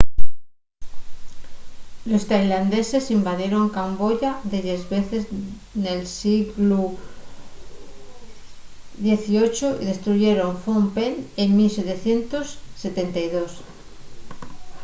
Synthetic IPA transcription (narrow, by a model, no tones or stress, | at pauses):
lost̪ajland̪e̞se̞simbaðje̞ɾo̞ŋkamboʝaðeɾezβeθez | nelsiɣlu | ðje̞θiot͡ʃoḭðe̞st̪ɾuʝeɾo̞ɱfompeleŋmilse̞t̪eθje̞nt̪osːe̞t̪e̞nt̪ajðos